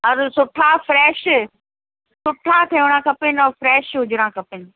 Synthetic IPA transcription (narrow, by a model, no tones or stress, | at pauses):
ɐɾsʊʈʰafɾɛːʃ | sʊʈʰat̪ʰeʋʊɽ̃ãːkɐpɪnɔːfɾɛːʃɦʊd͡ʑɽãːkʰɐpɪnɪ